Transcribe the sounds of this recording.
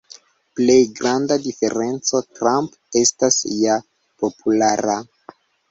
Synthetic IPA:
ple̞jɡɾandadife̞ɾe̞nt͡so̞tɾamp | e̞stasja | po̞pʰulaɾa

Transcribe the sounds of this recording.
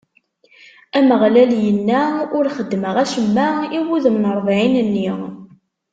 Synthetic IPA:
æməʁlæljənːæʊɾχəd̪ːməʁæʃəmːæiwuðəmnəɾˤvʕinənːiʁ

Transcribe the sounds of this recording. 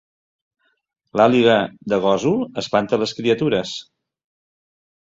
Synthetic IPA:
laliɣəd̪əɣ̞ɔzuəspant̪ələskɾiət̪uɾəs

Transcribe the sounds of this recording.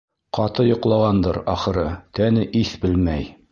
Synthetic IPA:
qɒt̪ɤjŏqlˠɑʁɑnd̪ɤɾɒχɤ̆ɾɤt̪ænɘʔiθbɘlmæj

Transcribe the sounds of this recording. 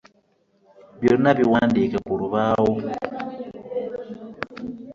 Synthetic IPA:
bjoɾinaβiwandikakuɾuβawo

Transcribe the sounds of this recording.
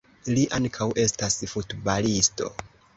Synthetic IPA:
liʔaŋkʰawʔe̞stasfutbalisto̞̰

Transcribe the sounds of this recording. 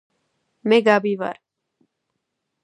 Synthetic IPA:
meɡaːbiːʋa̰ːɾ

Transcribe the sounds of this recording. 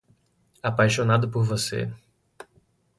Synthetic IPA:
apajʃonad̪ʊpoɾvosḛ

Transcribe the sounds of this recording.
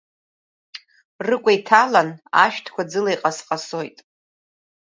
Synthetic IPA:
rɨkʷʼajtʰalana̰ʃᶣtʰkʷad͡zɨlajqʼasqʼaso̞jtʼ

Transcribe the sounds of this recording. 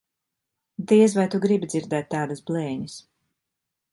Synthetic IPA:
d̪iɛzvajt̪uɡɾibid̪ziɾd̪ɛːt̪ːaːd̪ɐsblˠɛːɲis

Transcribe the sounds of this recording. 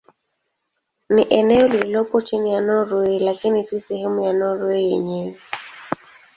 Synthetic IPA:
niʔɛnɛɔlilɔpɔt͡ʃinijanɔɾwilakinisisɛɦɛmujanɔɾwijɛɲɛwɛ

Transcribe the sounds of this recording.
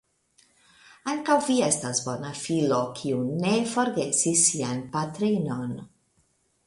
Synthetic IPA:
aŋkawvie̞stasbo̞nafilo̞kʰiune̞fo̞ɾɡe̞sisːianpatɾino̞n

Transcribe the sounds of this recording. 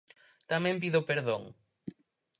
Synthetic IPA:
t̪amɛ̃mpiðopeɾðoŋ

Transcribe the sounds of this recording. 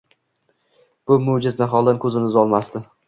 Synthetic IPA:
b̥ʊmod͡ʒɪznaɦɒlˠd̪ankʰɵzɪnɪzɒlˠmast̪ɪ

